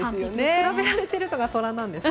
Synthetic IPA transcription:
sɨoneɾabeaɾe̞t̪e̞ɾɯ̟t̪oɡat̪o̞ɾãnːãnd̪e̞s

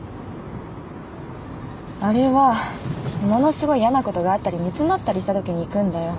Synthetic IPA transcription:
aɾe̞βa | mo̞no̞sɨɡo̞ijanako̞t̪o̞ɡaːt̪ːaɾʲimʲit͡sɨmat̪ːaɾʲiɕi̥t̪at̪o̞kʲiɲ̟iːkɯ̟̃nd̪ajo̞

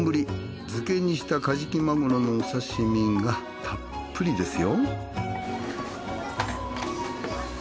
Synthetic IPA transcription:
mbɯ̟ɾʲi | d͡zɨke̞ɲ̟iɕi̥t̪akaʑikʲimaɡoɾono̞ːsaɕimʲĩŋɡa | t̪ʰa | pːɯɾʲid̪e̞sɨjo̞

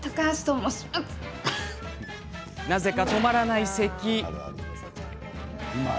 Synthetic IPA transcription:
t̪akast̪omosa | naze̞kat̪o̞maɾanaise̞kʲi

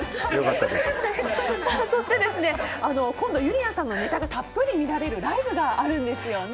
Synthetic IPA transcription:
jokat̪ːaess | soːso̞ɕi̥t̪e̞d̪e̞sɨne̞ano̞kõnd̪o̞jɯ̟ɾʲiãsãnːo̞ne̞t̪aɡat̪apːɯ̟ɾʲimʲiɾaɾe̞ɾɯ̟ɾaibɯ̟ɡaːɾɯ̟̃nd̪e̞sɨjo̞n

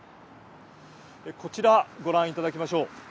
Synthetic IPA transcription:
eko̞t͡ɕiɾaɡo̞ɾãɰ̃it̪ad̪akʲimaɕo̞ː

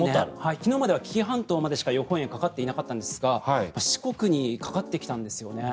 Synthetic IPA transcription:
nehaikʲino̞mad̪e̞βakʲi̥kʲiɦãnt̪o̞ːmad̪eɕi̥kajo̞hõɰ̃eŋkakat̪ːe̞inakat̪ːãnd̪esɨɡamaɕi̥ko̞kɯ̟ɲ̟ikḁkat̪ːe̞kʲi̥t̪ãnd̪e̞sɨjo̞ne̞

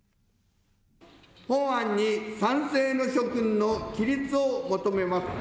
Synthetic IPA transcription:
hõãɲːisãñseːnoɕokɯ̟̃nːokʲiɾʲit͡sɨomot̪ome̞masɨ̥

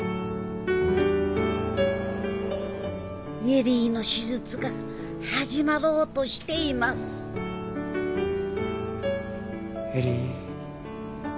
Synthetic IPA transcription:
jeɾiːno̞ɕizɨt͡sɨɡa | haʑimaɾo̞ːt̪oɕi̥t̪e̞imasɨ̥ | eɾi

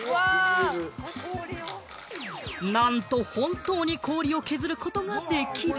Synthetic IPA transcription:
nãnt̪o̞hõ̞nt̪o̞ːɲ̟ikʰo̞ːɾʲio̞ke̞zɨɾɯ̟ko̞t̪o̞moat̪ːe̞kʲʰi

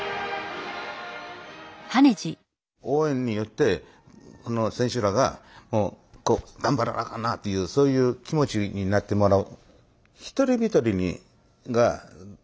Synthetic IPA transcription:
haned͡ʑi | oːẽ̞ɲ̟ːijo̞t̪ːe̞ | kono̞sẽ̞ɰ̃ɕɨɾaɡa̰mo̞ː | koːɡ̪ãmbaɾa̰ɾa̰kanat̪ːojɯ̟ːso̞ːjɯ̟ːkʲimo̞t͡ɕiɲinat̪ːe̞mo̞ɾaɯ | çi̥t̪o̞ɾʲibʲit̪o̞ɾʲiɲ̟ḭ | ɡa̰

